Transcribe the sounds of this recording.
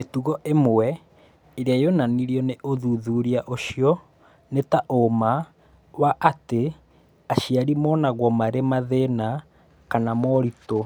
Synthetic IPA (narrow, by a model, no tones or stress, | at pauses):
etuɣɔʔemwɛ | eɾeajonaniɾjɔneʔoðuðuɾiaʔoʃiɔ | netaʔoma | waʔate | aʃiaɾimɔnaɣwɔmaɾemaðena | kanamɔɾito